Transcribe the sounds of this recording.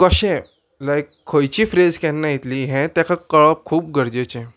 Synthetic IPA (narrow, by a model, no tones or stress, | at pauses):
kəɕɛ̃ | lajkʰːojt͡ɕiːfɾed͡zkɛ̃nːãjit̪liɦɛ̃t̪jakakəɭɔp̚kʰuːp̚ɡəɾd͡ʑet͡ɕɛ̃